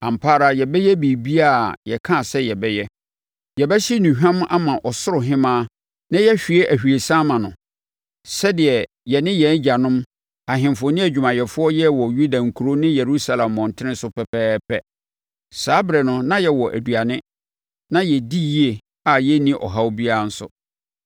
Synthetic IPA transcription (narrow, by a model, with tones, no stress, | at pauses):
ã˨m̩˨pʰaː˦ɾa˦jɛ˨bɛ˦jɛ˦bi˨bi˦a˦˨jɛ˨kʰã˦˨sɛ˦jɛ˨bɛ˦jɛ˦ | jɛ˨bɛ˦ɕi˦nũ˨ɦᶣã˦m˦a̰˦mã˨ʔɔ˨sʊ˦ɾʊ˨ɦɪ̃˦mãː˦ | nã˦jɛ˦ɕᶣi˨e˦ʔæ˨hᶣɥe˨sã˦mã˨nʊ̰̃˨ | sɛ˦dɪ˨ɛ˨ | jɛ˨nɪ̃˦jɛ̃˨˦n˦d͡ʑa˨nʊ̃˦m | a˨ɦɪ̃˨m˨fʊ˨˦nɪ̃˦æ˨d͡ʑᶣu˨mã˨jɛ˨fʊ˦ɔ˦jɛ˦wɔ˨ju˦da˨ŋ̩˨kʰu˨ɾo˦nɪ̃˦jɛ˨ɾu˦sa˦lã˨mːɔ̃˨n˨tʰɪ˦ɪ̃˦sʊ˦pʰɛ˨pɛː˦pʰɛ˦ | saː˦bɾɛ˨nʊ̃˦nã˦jɛ˨wɔ˨ʔæ̰˨du˨a˨nɪ̃˦ | nã˦jɛ˨di˦ji˦e˨ | a˨jɛ˦nĩ˦ʔɔ̰˨ɦa˦o˦bi˦a˦˨n̩˦sʊ̰˦